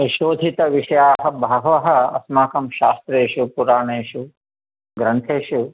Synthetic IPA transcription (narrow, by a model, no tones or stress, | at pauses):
iʃoːd̪ʱit̪ɐʋiʂɐjaːɦɐ̆bʱɐɦɐʋɐɦɐ̆ɐ̰smaːkɐmʃaːst̪ɾeːʃupuɾaːɳeːʃu | ɡɾɐnt̪ʰeːʃu